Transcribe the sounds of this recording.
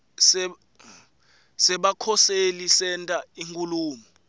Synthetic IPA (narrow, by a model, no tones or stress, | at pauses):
sɛ | sɛɓakʰɔselisɛntʼaiŋkʼuluːmɔ